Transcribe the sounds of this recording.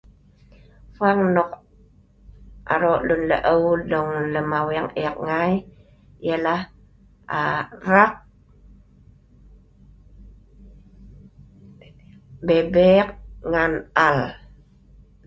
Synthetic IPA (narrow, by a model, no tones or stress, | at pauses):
faŋnɔk | ʔa̰ɾɔʔlunlə̰ʔəwdɔŋləmawɛŋek̚ŋaj | jala | arak̚ | bebek̚ŋanal